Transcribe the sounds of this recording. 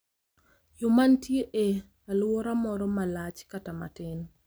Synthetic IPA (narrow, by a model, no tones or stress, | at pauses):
jʊmantjeʔe | alwɔɾamɔɾɔmalat͡ʃkatama̰tɪn